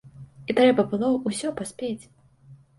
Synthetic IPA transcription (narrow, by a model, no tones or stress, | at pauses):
it̪ɾɛbɐbɨlˠɔusʲɔpasʲpʲet͡sʲ